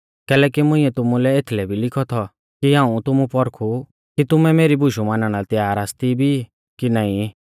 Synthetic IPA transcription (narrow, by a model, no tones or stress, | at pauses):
kɛːlɛːkimʊ̃ĩːɛt̪ʊmulɛeːt̪ʰlɛbʱilɪkʰɔt̪ʰɔ | kiɦãːũt̪ʊmũpɔɾkʰu | kit̪ʊmɛmeːɾibʱʊʃumaːnaɽ̃at̪jaːɾaːst̪ibʱi | kinaːĩ